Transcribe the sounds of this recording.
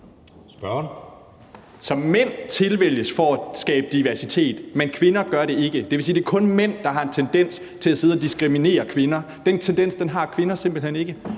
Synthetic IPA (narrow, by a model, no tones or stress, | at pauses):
sb̥ɶn | sɒ̽mmen̰t͡sʰe̝lʋel̰jəsfɒæsɡ̥ɛ̰ːb̥əd̥iʋæɐsit͡sʰe̝̰ːd̥menkʰʋe̝nɐɡ̥ɶɐɾe̝e̝ɡ̥əd̥eʋe̝siːd̥e̝æɐkʰɔ̽nmen̰d̥ɑ̈ɦɑ̈e̝nt͡sʰend̥en̰s | t͡sʰe̝læse̝ðˠɒd̥isɡ̥ʁimine̝̰ːɐkʰʋe̝nɐ | d̥ent͡sʰend̥en̰sd̥enɦɑ̈kʰʋe̝nɐse̝m̰b̥l̩hen̰e̝ɡ̥ə